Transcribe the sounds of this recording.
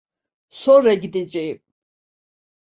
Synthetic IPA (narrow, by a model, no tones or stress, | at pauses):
sɔɾɛɡd̪it͡ʃʼi